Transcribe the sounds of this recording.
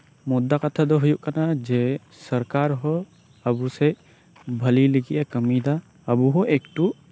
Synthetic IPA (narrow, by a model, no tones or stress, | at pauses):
mɔd̪ːakət̪ʰad̪ɔɦujuʔkanad͡ʒe | səɾkaɾɦɔ | əbuse | bʱəliliɡiʔakəmid̪a | əbuɦɔʔekʈu